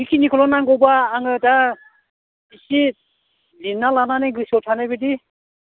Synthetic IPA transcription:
ikʰinikʰɔlɔnaŋɡɔwbaːŋɯda | isi | linːalananeɡɯsɔtʰanebidi

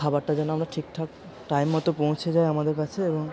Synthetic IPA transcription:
abaɾʈad͡ʑanoamɾaʈʰikʈʰak | ʈajmːɔt̪opõwt͡ɕʰed͡ʑaeamad̪eɾkat͡ɕʰeeboŋ

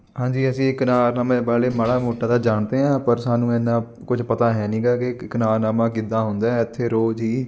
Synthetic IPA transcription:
ɦãːɲd͡ʒiːəsĩːkənaːɾnaːmẽːbaːleːməɽaːmoːʈːaːd̪aːd͡ʒaːɳd̪eːɦãːpəɾsaːnũːɛːnːãː | kʊd͡ʒpət̪aːɦɛːnĩːɡaːkekənaːɾnaːmãːkɪd̪aːɦʊnd̪aːɛɪt̪ʰːeːɾoːd͡ʒɦiː

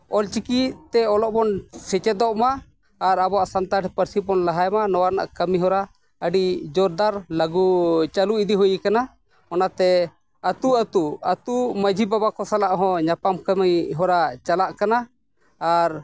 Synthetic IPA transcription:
ɔlt͡ʃikit̪t̪ɛɔlɔʔbɔnsɛt͡ʃɛd̪ɔʔmaː | ɾabɔaʔsant̪aʈɛpəɾsibɔnlaɦajmanɔwaɾna̰ʔkəmiɦɔɾa | əɖid͡ʒɔɾd̪aɾləɡut͡ʃaluid̪iɦujikana | ɔnat̪ɛ | ət̪uət̪uət̪uməd͡ʒʱibabakɔsalaʔɦɔ̃ɲapamkəməjɦɔɾat͡ʃalaʔkanaː | ɾ

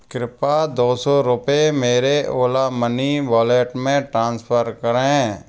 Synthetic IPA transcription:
kɾɪpad̪oːsɔɾʊpemeːɾeʔoːlaməniʋɔːleːʈmẽʈɾãːnspʰəɾkəɾɦẽː

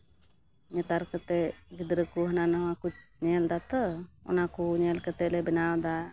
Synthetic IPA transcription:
ɲɛt̪aɾkət̪ɛɡid̪ɾəkuɦənanawakut͡ʃ̚ɲɛld̪at̪ɔɔ̰nakuɲɛlkət̪ɛʔlɛbɛnawd̪a

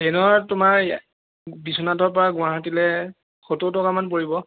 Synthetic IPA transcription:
ɛnatʊmaɹ | bisɔnadɔɹpɔɹaɡʊ̃aɦatilɛ | xototɔkamanp̬oɹibɔ

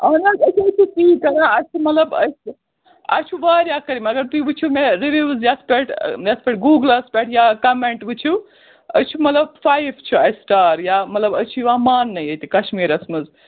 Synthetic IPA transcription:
ɐnaɐt͡ʃʰuɐt͡ʃʰut̪iːkɐlãɐt͡ʃʰumɐt̪ləbɐ̰js | ɐ̰t͡ʃʰuʋaːɾjakɐɾimeɐɡɐɾt̪uiʋɨt͡ʃʰumeɾiʋizjaspʲeʈʰjaspeʈɡuːɡlɐspeʈʰjakɐmeɳʈʋɨt͡ʃʰu | ɐt͡ʃʰumɐt̪ləbfaibt͡ʃʰuɐjsʈaːɾjamɐt̪lɐbɐt͡ʃʰuʋaːmaːnːɐjɐjt̪ikɐʃmiːɾɐsmɨz

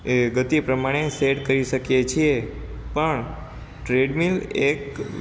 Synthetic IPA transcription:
eɡət̪ipɾəmaɽ̃eseɖkəɾiʃəkjet͡ʃʰie | pəɳ | ʈɾeɖmilek

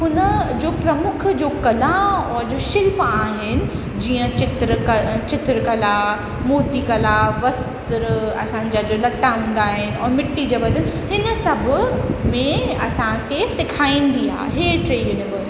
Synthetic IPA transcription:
ɦʊnəd͡ʑoːpɾɐmʊkʰd͡ʑoːkɐlaɔːɾd͡ʑoːʃɪlpaːɦɪnɪ̆ | d͡ʑiːə̃t͡ɕɪt̪ɾkɐt͡ɕɪt̪ɾəkɐla | mʊɾt̪ikɐlaʋɐst̪ɾɐ̰sãɲ̆d͡ʑad͡ʑolɐʈːaɦũːn̆d̪aːɦɪnɪ̆ɔːɾmɪʈːid͡ʑoːʋɐd̪ʱənɪ̆ɦɪnə̆sɐbʱʊmẽɐsãkʰesɪkʰaːĩːn̆d̪ia̰ːɦḛɦeːʈɾeːjunɪʋəɾs

